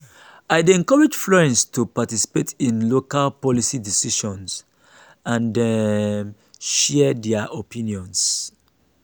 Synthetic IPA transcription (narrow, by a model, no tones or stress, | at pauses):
aɪdɛ̃ŋkɔɹɛd͡ʒflɔɹɛ̃nstʰupatisi̥petʰĩnlokalpɔlisidisiʃɔ̃ns | ãndɛ | ʃɛdɛaʔopĩnjɔ̃ns